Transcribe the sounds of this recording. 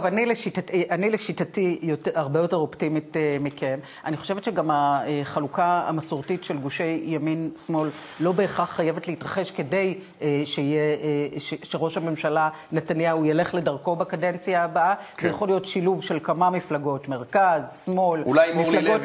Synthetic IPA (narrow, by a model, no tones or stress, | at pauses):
ovanileʃitatʔanileʃitatijotaʁbejo̞te̞ʁo̞ptimitemike̞m | aniχo̞ʃevetʃeɡamaeχalukaa̰masuʁtitʃelɡuʃe̞jːaminsmo̞lː | o̞be̞ːχaχːajevetleitʁaχe̞ʃke̞de̞j | eʃeijeʃeʃeʁo̞ʃhame̞mʃala | netanjaujale̞χle̞dɐʁko̞bakade̞nt͡sijaːbaazejaaχo̞lijotʃiluvʃe̞lkamamiflaɡo̞tme̞ʁkazsmo̞lulajmiflaɡo